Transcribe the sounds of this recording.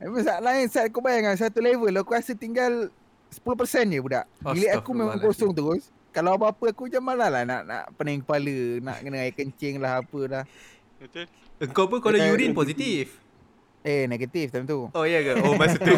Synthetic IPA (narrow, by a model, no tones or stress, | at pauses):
memaŋsaʔlaɪnsat̪̚akubajaŋaŋs̬at̪ulevəlokuɣasət̪iŋɡal | sə̥pulʊhpərsɛnjəbuda̰ʔileʔakumemãŋkosʊŋt̪̬əɣʊs | kalawabaapəakud͡ʒamalalahna̰ʔna̰ʔpənaiŋkəpaləna̰ʔkənaajikəɲt͡ʃɪŋlahapəlah | əŋkawpunkalojuɾinposit̪if | eneɡat̪ift̪at̪uojaɡaomasəu